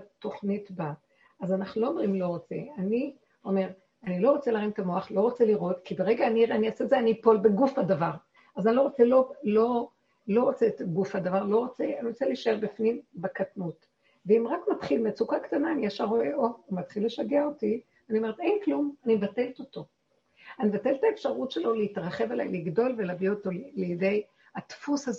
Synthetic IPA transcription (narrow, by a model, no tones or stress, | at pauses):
to̞χnitba | azanaχnulo̞ːmʁimlo̞ʁot͡se̞̰ani | o̞me̞ʁ | anilo̞ʁot͡selaʁimt̪amo̞aχlo̞ʁot͡seliʁo̞tkibeʁeɡaːniʁaniaseːzeanipo̞lbeɡufhadavaʁ | azanilo̞ʁot͡selolo̞ | lo̞ʁot͡setɡufhad̪avaʁlo̞ʁo̞t͡seaniʁot͡seliʃaeʁbifnimbekatnut | veimʁakmatχilmeat͡sukaktanaːniaʃaʁo̞eʔoumat̪χilːe̞ʃaɡeao̞ti | aniomeʁet̪e̞jnklumanimevate̞lto̞to̞ | animvateltaefʃaʁutʃelo̞leitʁaχe̞vela̰jliɡdo̞lveleavio̞to̞lejede̞j | atfushaze